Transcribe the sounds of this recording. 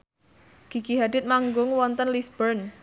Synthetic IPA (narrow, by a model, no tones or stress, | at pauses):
ɡ̥i̤ɡ̥iɦad̥ɪt̪̚maŋɡʊŋwɔnt̪ənlisb̥ərn